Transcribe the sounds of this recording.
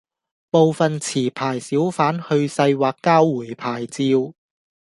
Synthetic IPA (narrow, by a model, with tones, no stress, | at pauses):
po˨˧wfɐ˨nt͡sʰiː˨˩pʰaː˨˩jsiː˨˥wfaː˨˥nhɵ˧ɥsɐ˧jwaː˨kːaː˥wːuː˨˩jpʰaː˨˩jt͡siː˧w